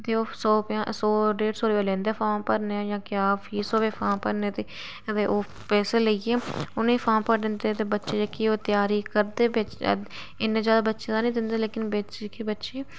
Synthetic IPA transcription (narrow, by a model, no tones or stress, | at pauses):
t̪eːoːsɔːpãsɔːɾeːɖsoːɾeːoːlẽːnd̪eːfʰãːpəɾneaːjãːkɪjaːpʰiːsoːʋeːfʰãːpəɾnet̪eː | əeːʔoː | pɛːseːləieːʊniːpʰãːmpəɾd̪ɪnd̪eːt̪eːbətːʃeːd͡ʒaːkioːt̪ɪjaːɾiːkəɾd̪eːʋɪt͡ʃ | ɪnːẽːzjaːd̪aːbətːʃẽːd̪aːnĩːd̪ɪnd̪eːleːkɪnbet͡ʃekebətːʃeː